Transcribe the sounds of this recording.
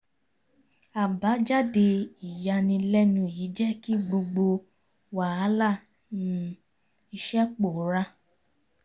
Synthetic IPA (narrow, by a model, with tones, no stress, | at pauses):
a˨ba˨˦d͡ʒa˦de˧i˨ja˧nĩ˧lɛ˦nũ˧˨ji˨˦d͡ʒɛ˦ki˦ɡ͡bo˧ɡ͡bo˧ | wa˨a˨˦la˦˨ | nũ˦ | i˧ʃɛ˦k͡po˨˦ɾa˦